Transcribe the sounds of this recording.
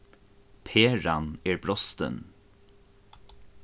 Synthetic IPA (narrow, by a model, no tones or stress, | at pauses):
pʰeːɹɑneːɹbɾɔst̪ə̰n